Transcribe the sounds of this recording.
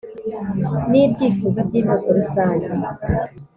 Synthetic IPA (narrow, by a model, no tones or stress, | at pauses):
nibɟiːfuzo̞bɟiːnukoɾusaːɲɟe